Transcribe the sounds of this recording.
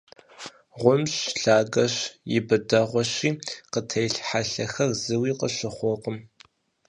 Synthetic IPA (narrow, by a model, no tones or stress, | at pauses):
ʁʷʊmɕɬaːɡɐʃjɪbɨdɐʁʷɔɕiːqətʰɐjɬħaɬɐxɐrzɨwiːqəɕɨχʷɔqəm